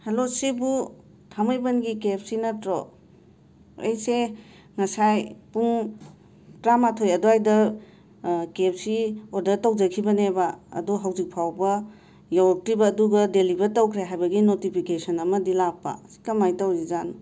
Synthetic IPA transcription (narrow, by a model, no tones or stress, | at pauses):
helosibu | tʰamɯjbɐnɡikep̚sinɐtɾɔ | ḛjse | ŋɐsajpuŋ | tɾamatʰojɐduajdɐ | kep̚siodɐtɐwd͡ʒɐkʰibɐneba̰ːduɦawzik̚pʰawbɐ | jawɐk̚tɾibɐːduɡɐdelibɐɾtɐwkʰɾeɦajbɐɡinotipʰikesɐnɐmɐdilapːa̰si̥kɐmajtawzizan